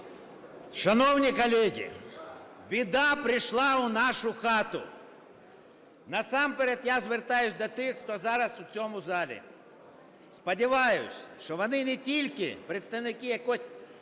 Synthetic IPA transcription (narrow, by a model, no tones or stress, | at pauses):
ʃɐnɔwnʲikɔlʲɛɦʲḭ | bʲid̪ɑpɾɪʃlˠɑʊnɑʃʊxɑt̪ʊ̰ | nɐsɑmpeɾɛt̪jazʋert̪ɑjʊsʲd̪ɔt̪ɪxːt̪ɔzɑɾɐsʊt͡sʲɔmʊzɑlʲḭ | spɐdʲɪʋɑjʊ̰sʲʃt͡ʃɔʋɔnɪnɛtʲilʲkɪ̰pɾet̪st̪ɐwnɪkɪjɐkɔsʲ